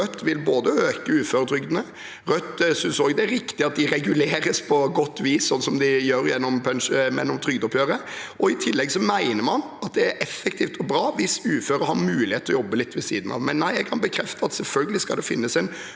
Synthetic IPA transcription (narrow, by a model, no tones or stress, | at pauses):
œt̪ːʋɪlboːd̪əøːkəʉːføːɾət̪ʰɾʏɡd̪nə | ɾœt̪ːsʏnsoːɡd̪ɛæɾɪkt̪ɪɑt̪̚d̪ɪɾɛɡʉleːɾəspʰɔɡɔt̪ːʋiːssɔnːsɔmd̪ɪjøːɾjɛnːɔmpʰɛnʂəmɛ̰nːɔmt̪ʰɾʏɡd̪ɔpjøːɾəʔɔɪt̪ʰɪlːɛɡsɔmæɪnəɾmɑn | ɑt̪̚d̪ɛæɾʔɛfɛk̚t̪ʰiːft̪ʰɔbɾɑːʋɪsʉːføːɾəhɑɾmʉːlɪeːt̪ʰːɔjɔbːəlɪt̪ːʋɛsḭːd̪n̩ɑ̰ʋmɛnːæɪɛɡkʰɑnbəkʰɾɛft̪əɑt̪sɛlfœlɡəlɪskɑld̪ɛfɪnːəsɛɪn